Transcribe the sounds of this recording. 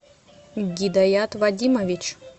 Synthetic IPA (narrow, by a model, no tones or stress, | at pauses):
ɡʲid̪ɐjat̪vɐdʲimɐvʲit͡ɕ